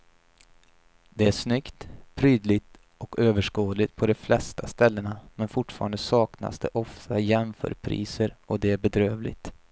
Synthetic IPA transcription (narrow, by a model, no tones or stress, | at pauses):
d̪ɛæʂnʏkt̪pʰɾyːd̪lɪt̪ | ʔɔkøːvəʂkoːd̪lɪt̪̚pʰɔd̪ɔflɛst̪ʰast̪ɛlːəɳamɛnfʊʈːfɑ̰ːɾand̪əsɑːkna̰sd̪ɛʔɔft̪ajɛmfœ̰ːɾpʰɾḭːsəɾɔd̪ɛæɾbɛd̪ɾøːvlɪ̰t̪